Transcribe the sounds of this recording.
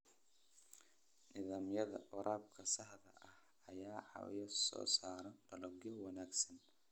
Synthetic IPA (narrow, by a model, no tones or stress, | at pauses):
nɪðaːmjɐðɐ̰ʔʊɾʔaːb̚kʰɐsɐħðɐ̰ʔɐh | ɐjaːʕɑ̰wjɐsɔ̰ːsaːɾɐɖɐlɔɡɔwɑnaːɡsɐn